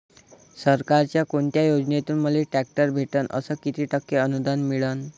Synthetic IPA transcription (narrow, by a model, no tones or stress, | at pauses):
səɾkaɾt͡ɕjakoɳt̪jajod͡ʑnet̪uːnməlːeʈæk̚ʈəɾbʱeʈənə̰səkit̪ʰiːʈəkːeənud̪anmiɭən